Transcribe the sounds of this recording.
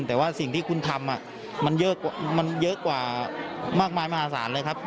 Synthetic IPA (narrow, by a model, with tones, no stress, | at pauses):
nt̪ɛː˨˩waː˥˩si˨˩ŋt̪ʰiː˥˩kʰu˧nt̪ʰa˧mʔa˨˩ | ma˧njɤ˦˥ka˨ma˧njɤ˦˥ʔkwaː˨˩maː˥˩k̚maː˧jmaː˥˧˩aː˨˦˩sa̰ː˩˦nlɤː˧jkʰa˦˥p̚